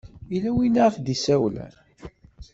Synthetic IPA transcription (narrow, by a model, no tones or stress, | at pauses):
ilæwinaʁfd̪isæwlæ̰